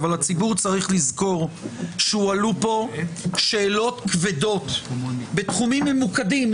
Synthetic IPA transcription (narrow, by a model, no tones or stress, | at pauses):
valhat͡sibuʁt͡saʁiχlizko̞ʁʃeualupo̞ʃe̞ːlo̞t̪kvedo̞t̪be̞t̪χumimːemukadim